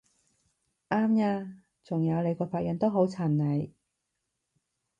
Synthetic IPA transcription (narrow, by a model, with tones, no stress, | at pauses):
ʔaː˥mjaː˧ | t͡sʊ˨˩ŋjɐ˨˧wle˨˧jkɔː˧faː˧t̚jɐ˨˧nt̪o˥wɦo˨˥wt͡sʰaː˨˩nnɐ˨˩j